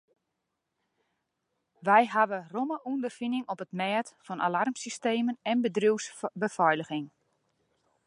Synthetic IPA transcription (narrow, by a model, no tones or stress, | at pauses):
ʋɛjɦaʋəroməʔundərfinɪŋɔpətmɛːtfɔnʔa̰larmsisteːmənɛnbədriwsbəfɔjləɣɪŋ